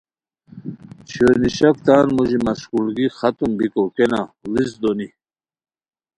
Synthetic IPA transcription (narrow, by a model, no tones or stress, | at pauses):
t͡ʃʰɔniʃak̚t̪ʰaːnmɔʒimaskulɡiχat̪ʼumbikʼɔkɛnalizd̪ɔni